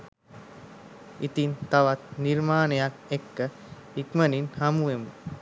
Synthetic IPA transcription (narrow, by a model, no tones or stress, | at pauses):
it̪int̪aʋat̪niɾmaːnejakekːə | ikməninhamuʋemu